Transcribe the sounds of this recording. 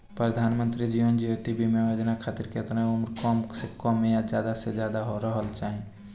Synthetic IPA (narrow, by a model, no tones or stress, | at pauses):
pɾəd̪ʱaːnmənt̪ɾid͡ʒijond͡ʒiɦot̪ibʱimeʋəd͡ʒnakʰaːt̪iɾkeət̪naʊmɾkɔmsekɔmːejad͡ʒjad̪ased͡ʒjad̪aɦoɾəɦəlt͡ʃaːɦĩ